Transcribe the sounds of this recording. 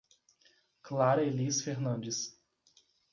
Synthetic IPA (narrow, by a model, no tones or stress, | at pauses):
klaɾɐelisfeɾnɐ̃nd͡ʒɪs